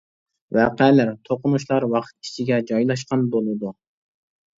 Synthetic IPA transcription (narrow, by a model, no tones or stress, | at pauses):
vɛqɛlæɾt̪ʰoqʊnuʃlˠɑɾwɑqʰt̪̚ʰi̥t͡ʃʰiɡʲɛd͡ʒɑjlˠɑʃ̬qɑnbolˠɨd̪u